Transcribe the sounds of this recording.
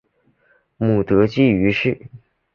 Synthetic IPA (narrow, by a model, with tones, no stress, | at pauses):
mu˨˩t̪ɤ˧˥t͡ɕi˥˩y˧˥ʂɻ̩˥˩